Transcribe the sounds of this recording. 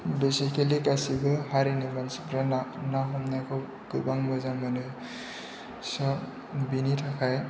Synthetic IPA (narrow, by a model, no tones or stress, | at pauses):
dɔsekʰelikasibɯhaɾenibansbɾananaɦɔmnakʰɔ | ɡ̥ɯbaŋbazaŋmanɯ | sɔ | binitʰakʰaj